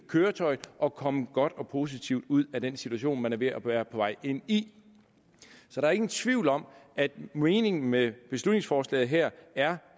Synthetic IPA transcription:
kʰøːɐt͡sʰɒ̽ɪʔɒ̽kʰɒ̽məɡ̥ɒ̽d̥ɒ̽pʰo̝s̬it͡sʰiʊd̥uð̞̰ˠæd̥ensit͡sʰuæɕo̝̰ːnmænɐʋe̝æʋæːɐpʰɒ̽ʋɑ̈ɪ̰e̝n̰i | sɒɾ̥ɑ̈ɐe̝ɡn̩t͡sʰʋiʊ̰lɒ̽m̰æd̥meːne̝ŋn̩meb̥e̝slud̥ne̝ŋsfɒːslɛ̰ːð̩ˠɦeɐ̰æɐ

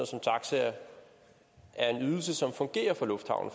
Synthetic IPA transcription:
sɒ̽mt͡sʰɑ̈ɡ̥səɐ | ʔæɐe̝nyð̞ˠl̩səsɒ̽mfɔ̽ŋɡ̥e̝̰ːɐfɒ̽lɔ̽fd̥hɑ̈ʊn̩

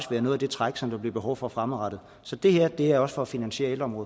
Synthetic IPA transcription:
isʋeːɐnoːð̩ˠæde̝t͡sʰʁaɡ̥sɒ̽md̥ub̥liɐb̥e̝ɦɒʊfɒfʁaməʁɑ̈d̥ð̩ˠ | sɒ̽d̥e̝heɐ̰d̥e̝ææɒ̽sfɒ̽æfinænɕe̝̰ːed̥ɒmʁɔ̽ːðˠ

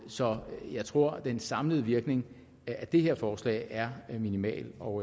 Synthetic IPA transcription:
sɒ̽jɑ̈ɪt͡sʰʁo̝ɐ̰d̥ensɑ̈mləð̞̩ˠəʋiɐɡ̥ne̝ŋ | æd̥e̝he̝ɐfɒːslɛ̰ɪæɐminimɛ̰ːlɒʊ

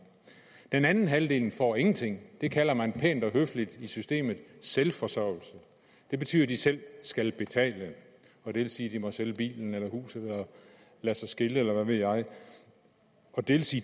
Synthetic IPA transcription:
d̥enænn̩ɦæld̥e̝̰ːln̩fɒ̰e̝ŋn̩t͡sʰe̝ŋ̰d̥e̝kʰælɐmænpʰḛnd̥ɒ̽ɦøflid̥isysd̥e̝̰ːmð̩ˠselfɒ̽sœɐ̰l̩sə | d̥e̝b̥e̝t͡sʰy̰ːð̰ˠɐd̥isel̰sɡ̥ælb̥e̝t͡sʰɛ̰ːlə | ɒ̽d̥e̝ʋe̝lsiːd̥imɒ̽seləb̥ḭːln̩elɐhṵːsð̩ˠelɐ | læsɑ̈ɪsɡ̥e̝ləelɐʋæʋe̝ð̰jɑ̈ɪ | ɒ̽d̥e̝ʋe̝lsiː

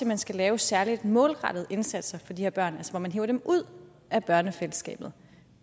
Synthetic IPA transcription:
emænsɡ̥ælɛːʊsæɐlid̥mɔ̽ːlʁɑ̈d̥ð̞̩ˠe̝nsæd̥sɐfɒ̽d̥ihɛɐb̥ɶɐ̰nælsɐʋɒmænɦeːʊɐd̥emʔuð̞̰ˠ | ʔæb̥ɶɐnəfeləsɡ̥ɛ̰ːb̥ð̩ˠ

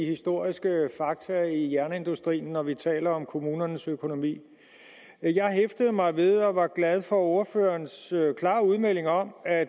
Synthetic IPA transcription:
hisd̥o̝ɐ̰isɡ̥əfɑ̈ɡ̥̚t͡sʰɐijæɐnəe̝nd̥usd̥ʁḭːn̩ːɒʋit͡sʰɛ̰ːlɐɒ̽mkʰo̝muːnɐnəsøkʰo̝no̝mḭː | jɑ̈ɪɦefd̥əð̞̩ˠmɑ̈ɪʋe̝ð̞ˠɒ̽ʋɑ̈ɡ̥læð̞ˠfɒ̽o̝ɐføɐnsøkʰlɑ̰̈ːuð̞ˠmel̰e̝ŋɒ̽mæ

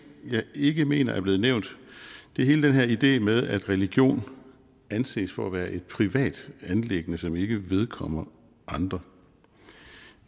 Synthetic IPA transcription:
jɑ̈ɪe̝ɡ̥əme̝̰ːnɐʔæɐb̥le̝ːð̩ˠneʊ̰nd̥d̥e̝he̝ːləd̥enɦeɐid̥e̝̰ːmeðˠæd̥ʁɛliɡ̥jo̝̰ːn | ænse̝̰ːsfɒæʋæːɐʔe̝d̥̚pʰʁiʋɛ̰ːd̥ænleɡ̥ənəsɒ̽me̝ɡ̥əʋe̝ð̞ˠkʰɒ̽m̰ɐ | ʔɑ̈nd̥ʁɐ

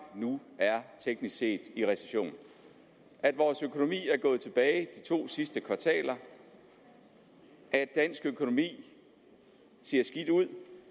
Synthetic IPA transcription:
nuæɐt͡sʰeɡ̥nisɡ̥se̝̰ːd̥iʁɛse̥ɕo̝̰ːn̩ | ʔæd̥ʋɒːsøkʰo̝no̝mḭːæɐɡ̥ɔ̽ːð̩ˠt͡sʰe̝b̥ɛːɪd̥it͡sʰo̝̰ːsisd̥əkʰʋɑ̈t͡sʰɛ̰ːlɐ | ʔæd̥ːæn̰sɡ̥økʰo̝no̝mḭː | se̝ɐ̰sɡ̥id̥uð̰ˠ

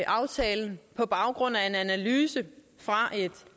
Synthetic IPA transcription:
ʔɑ̈ʊt͡sʰɛːln̩pʰɒ̽b̥ɑ̈ʊɡ̥ʁɔ̽n̰æe̝nænælyːsə | fʁɑ̈ʔe̝d̥

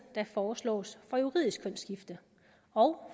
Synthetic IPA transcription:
d̥ɑ̈fɒːslɔ̰ːsfɒ̽juʁḭðˠisɡ̥kʰɔn̰sɡ̥ifd̥ə | ɒ̽ʊ

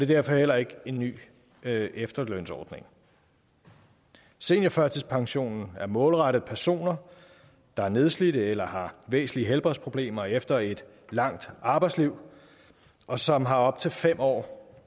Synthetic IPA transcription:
ɒd̥e̝d̥æɐ̰fɒ̽hel̰ɐe̝ɡ̥əe̝nːy̰ː | efd̥ɐløn̰sɒːd̥ne̝ŋ | se̝̰njɑfɶɐt͡sʰispʰɑ̈ŋɕo̝̰ːnn̩æɐmɔ̽ːlʁɑɾ̥əð̩ˠpʰæɐso̝̰ːnɐ | d̥ɑ̈æɐne̝ð̞ˠslid̥əelɐhɑ̈ʋḛːsn̩liəɦelb̥ʁɛspʰʁo̝b̥le̝̰ːmɐefd̥ɐe̝d̥ | lɑ̈ŋ̰d̥ɑ̈ːb̥ɑ̈ɪdsliʊ̰ | ʔɒ̽sɒ̽mɦɑ̈ɒ̽b̥̚t͡sʰe̝lfem̰ɒ̰ː

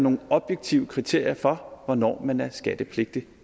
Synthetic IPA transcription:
no̝ːn̩ɒ̽b̥jeɡ̥̚t͡sʰiʊəkʰʁit͡sʰe̝ɐ̰jɐfɒ̽ʋɒnɒ̰ːmænæɐsɡ̥æd̥əpʰle̝ɡ̥d̥i

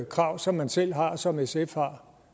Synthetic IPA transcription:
kʰʁɑ̈ʊ̰sɒ̽mːænsel̰ɦɑ̈sɒ̽mesefhɑ̈

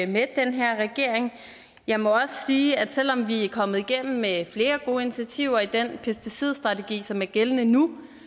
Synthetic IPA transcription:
me̥d̥enɦeɐ̰ʁɛɡ̥e̝ɐ̰eŋ | jɑ̈ɪmɒ̽ɒ̽sə̥siːæd̥sel̰ɒ̽mʋiæɐkʰɒ̽m̰ð̞̩ˠiɡ̥em̰m̩ːefle̝ːɐɡ̥o̝ːəinit͡sʰæt͡sʰiʊ̰ɐid̥enpʰesd̥isið̞̰ˠsd̥ʁɑ̈t͡sʰeɡ̥ḭːsɒ̽mæɐɡ̥elənənu

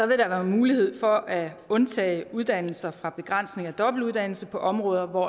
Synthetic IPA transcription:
sɒ̽ʋe̝ɾ̥ɑ̈ʋæːɐmuːlihe̝ð̞̰ˠfɒ̽ʔæɔ̽nt͡sʰɛ̰ːɪuðˠd̥æn̰l̩sɐfʁɑ̈b̥e̝ɡ̥ʁɑn̰sne̝ŋæd̥ɒ̽b̥l̩uð̞ˠd̥æn̰l̩səpʰɒ̽ʔɒ̽mʁɔ̽ːð̞ˠɐʋɒ

